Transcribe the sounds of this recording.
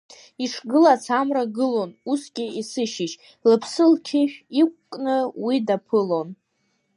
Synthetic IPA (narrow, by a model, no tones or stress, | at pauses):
iʂʰɡɨlat͡sʰamraɡɨlo̞nusɡʲiisɨʃɪʃ | lɨpʰsɨltʰiʃᶣik̚ʷkʼnɨwidapʰɨlo̞n